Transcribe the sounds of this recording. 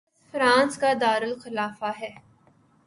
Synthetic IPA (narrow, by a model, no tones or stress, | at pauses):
fɾãːnskad̪aːɾəlxɪlaːfaɦɛː